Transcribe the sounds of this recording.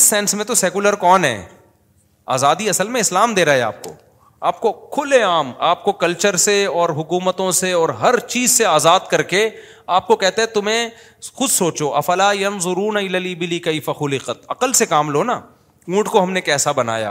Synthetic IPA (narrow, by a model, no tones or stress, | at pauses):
ɪsːɛːnsmẽt̪osɛːkʊləɾkɔːnɦɛ̰ː | a̰ːzaːd̪iɐsəlmẽɪslaːmd̪eːɾaːɦɛa̰ːp̚ko̰ː | a̰ːp̚kokʰʊleaːmaːp̚kokɐlt͡ʃəɾseɔːɾɦʊkuːmət̪õseɔːɾɦɐɾt͡ʃiːzseaːzaːd̪kɐɾke | aːp̚kokɛɦt̪eɦɛ̃t̪ʊmẽ | xʊd̪soːt͡ʃoʔɐfɐlaːjɐnzʊɾuːnaɪlaːliːbɪliːkɐɪfɐxʊlɪqət̪ɐqəlsekaːmloːnaː | ũːʈʰkoɦɐmnekɛːsabɐna̰ːja̰ː